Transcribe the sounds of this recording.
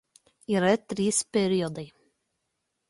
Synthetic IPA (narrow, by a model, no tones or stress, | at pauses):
iɾɛt̪ɾiːspɛɾiɔd̪ɛj